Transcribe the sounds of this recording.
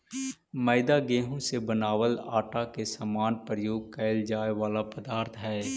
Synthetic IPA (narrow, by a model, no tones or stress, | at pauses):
məɪd̪aɡeːɦõsebənaːwəlaːʈakesamaːnpɾəjoːɡ̚kɛɪld͡ʒaːeʋaːlapəd̪aːɾt̪ʰɦɛː